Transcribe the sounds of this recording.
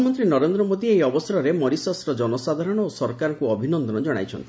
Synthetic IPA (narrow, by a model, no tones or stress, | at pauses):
mɔnt̪ɾinɔɾend̪ɾɔmod̪iejɔbɔsɔɾɔɾemɔɾisɔsɾɔd͡ʒɔnɔsad̪ʱaɾɔɽ̃ɔosɔɾkaɾɔkuɔbʱinɔnd̪ɔnɔd͡ʒɔɽ̃a̰jt͡ʃʰɔ̰nt̪ʰi